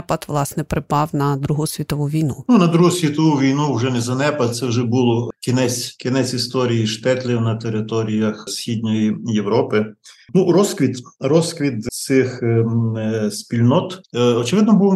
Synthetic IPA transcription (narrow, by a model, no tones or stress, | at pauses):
pɐt̪ʋlˠɑsnɛpɾɪpɑwnɐd̪ɾuɦʊsʲʋʲit̪ɔʋuʋʲijnununɐd̪ɾuɦʊsʲʋʲit̪ɔʋuʋʲijnuwʒɛnɛzɐnɛpɐt̪sɛwʒɛbulˠɔkʲinɛt͡sʲkʲinɛt͡sʲist̪ɔɾʲijiʃt̪ɛt̪lʲɪwnɐt̪eɾɪt̪ɔɾʲijɐxsʲxʲid̪ʲnʲɔjijeʋɾɔpɪnuɾɔskʋʲit̪ɾɔskʋʲit̪sɪx | sʲpʲilʲnɔt̪ɔt͡ʃɪʋɪd̪nɔbuw